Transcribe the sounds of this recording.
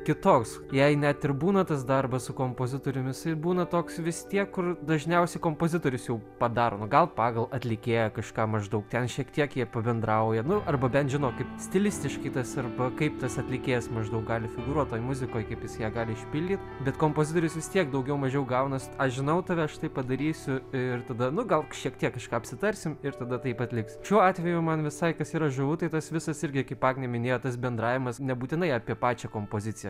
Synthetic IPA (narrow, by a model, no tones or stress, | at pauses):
kʲɪt̪oːks | jɛɪnʲæt̪ɪrbuːnɐt̪ɐsd̪ɐrbɐssʊkoːmpoːzʲɪt̪oːɾʲʊmʲɪsɪbuːnɐt̪oːksʋʲɪst̪ʲiɛkːʊrd̪ɐʒʲnʲɛʊsʲɛɪkoːmpoːzʲɪt̪oːɾʲʊsjɛʊpɐd̪ɑːɾoːnʊɡɐlˠpɑːɡɐlˠɐt̪ʲlʲɪkʲeːjɛkɐʃkɑːmɐʒd̪ɐʊkt̪ʲɛnʃʲiɛkt̪ʲiɛkjiɛpɐbʲɛnd̪ɾɐʊjɛnʊɐrbɐbʲɛnt̪ʒʲɪnoːkɐɪpsʲt̪ʲɪlʲɪsʲt̪ʲɪʃkɐɪt̪ɐsɐrbɐkɐɪpt̪ɐsɐt̪ʲlʲɪkʲeːjɛsmɐʒd̪ɐʊk̚ɡɑːlʲɪfʲɪɡʊɾuɔt̚t̪ːoːjmʊzʲɪkoːjkɐɪpjɪsjiːɡɑːlʲɪɪʃʲpʲɪlʲdʲiːt̪bʲɛt̪koːmpoːzʲɪt̪oːɾʲʊsʋʲɪst̪ʲiɛkd̪ɐʊɡʲɛʊmɐʒʲɛʊɡɐʊnɐsɐʃʒʲɪnɐʊt̪ɐːʋʲɛɐʃt̪ɐɪpɐd̪ɐɾʲiːsʲʊɪrt̪ɐd̪ɐnʊɡɐlˠʃʲiɛkt̪ʲiɛkːɐʃkɑːɐpʲsʲɪt̪ɐɾʲsʲɪmɪrt̪ɐd̪ɐt̪ɐɪpɐt̪ʲlʲɪksʃʲuɔɑːt̪ʲʋʲɛjʊmɐnʋʲɪsɐɪkɐsiːɾɐʒʊʋʊt̪ɐɪt̪ɐsʋʲɪsɐsɪrʲɡʲɪkʲɐɪpɑːɡnʲɛmʲɪnʲeːjoːt̪ɐs̬bʲɛnd̪ɾɑːʋʲɪmɐsnʲɛbuːt̪ʲɪnɐɪɑpʲiɛpɑːt͡ʃʲɛkoːmpoːzʲɪt͡sʲɪjɛ